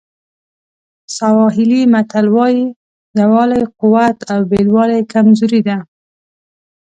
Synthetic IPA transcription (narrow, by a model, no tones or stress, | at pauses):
sawɑɦɪlimat̪alwɑji | jawɑlajqʊwat̪awbelwɑlajkamzuɾid̪a